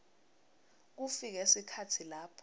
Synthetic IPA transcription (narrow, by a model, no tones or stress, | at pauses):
k̬ufik̬esikʰatʰilaːpʰɔ